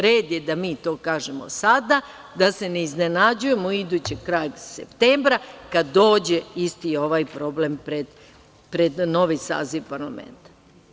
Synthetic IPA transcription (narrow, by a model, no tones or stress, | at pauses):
ɾeːd̪jed̪amiːt̪o̞ːkaːʒemo̰sad̪a | d̪ase̞neizne̞nad͡ʑuje̞moid̪ut͡ɕekɾaːjsept̪eːmbɾakad̪ːo̞ːd͡ʑeist̪io̞ʋajpɾo̞blempɾed̪ | pɾed̪no̞ʋisa̰ːziʋpaɾlamḛnt̪ḁ